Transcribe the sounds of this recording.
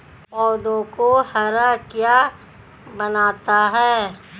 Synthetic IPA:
pɔːd̪õkohəɾəkjaː | bənaːt̪aɦɛː

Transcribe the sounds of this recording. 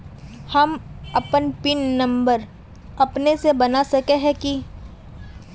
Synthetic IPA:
hɐmɐpənpɪnːɐ̃mbəɾ | ɐpnesebɐnasɐkeɦɛ̃ki

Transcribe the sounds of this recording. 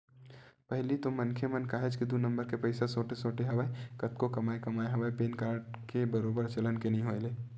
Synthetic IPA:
pəɦlit̪omːɐnkʰemɐnkaːɦed͡ʒkid̪unə̃mbəɾkepəɪsasoːʈesoːʈeɦɐʋaːekɐt̪kokɐmaːekɐmaːeɦɐʋaepeːnkaːɾɖ | kebəɾoːbəɾt͡ʃɐlənkenɐɦĩɦoːeleː

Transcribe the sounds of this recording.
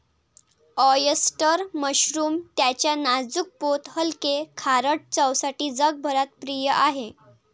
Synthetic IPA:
ɔjəsʈəɾməɕɾuːmt̪jat͡ɕjanad͡zuk̚pot̪ɦəlkekʰaɾəʈ̚t͡səwsaʈiːd͡zəɡ̚bʱəɾat̪̚pɾijəʔaɦe

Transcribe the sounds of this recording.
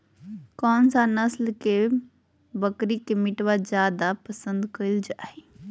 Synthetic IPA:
kɔːnsanəslke | bəkɾikemiʈʋad͡ʒjad̪apəsə̃nd̪kəld͡ʒae

